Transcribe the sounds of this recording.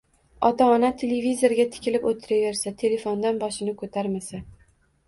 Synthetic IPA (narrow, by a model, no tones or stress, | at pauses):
ɒt̪ʰaːnat̪ʰe̞levizo̞ɾɡʲat̪ʰɪ̥kʲʰɪlɪpot̪ʰːɪɾave̞ɾsat̪ʰe̞le̞fond̪anbɒʃɪnɪkʰot̪ʰaɾmasa